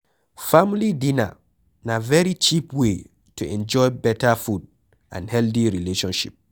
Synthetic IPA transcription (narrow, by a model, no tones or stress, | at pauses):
famlidina̰ | navɛɾit͡ʃipwe | tʰuɛ̃nd͡ʒɔjbɛtafud̚ | ʔã̰nhɛldiɾileʃɔ̃nʃḭp̚